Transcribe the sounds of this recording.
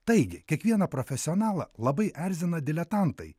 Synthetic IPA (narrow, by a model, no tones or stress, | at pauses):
t̪ɐɪɡʲɪkʲiɛkʋʲiɛnɐpɾɔfʲɛsʲɪɔnɑːlˠɐ̰lˠɐbɐɪʔæɾʲzʲɪnɐd̪ʲɪlʲɛt̪ɑnt̪ɐɪ